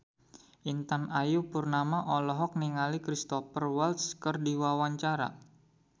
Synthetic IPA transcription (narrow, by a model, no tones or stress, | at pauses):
ʔint̪anajupurnamaʔɔlɔɦɔk̚niŋalikɾist̪ɔpərwalt̪skərdiwawaɲt͡ʃaɾa̰